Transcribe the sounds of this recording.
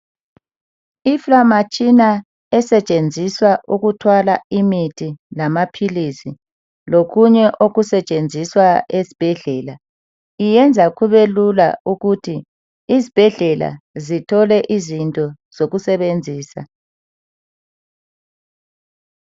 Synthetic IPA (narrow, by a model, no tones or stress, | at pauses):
iflamat͡ʃʼina | ɛsɛt͡ʃʼend͡zʱiswaʔuɣutʰwalaimitʰilamapʰilisi | loɣuɲɛʔoɣusɛt͡ʃʼend͡zʱiswaezi̥b̥ʱɛɮɛla | ijɛnd͡zʱaɣʰuβelula̰uɣutʰiː | zib̥ʱɛɮɛla̰zitʰɔlɛʔizintʼɔ | z̥oɣusɛβend͡zʱiːsa̰